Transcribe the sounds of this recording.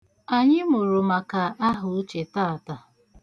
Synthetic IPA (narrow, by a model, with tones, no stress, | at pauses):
a˨ɲɪ˦mʊ˨ɾʊ˨ma˨ka˨ʔa˦ɦʊ˨˦t͡ʃe˨taː˦a˨ta˨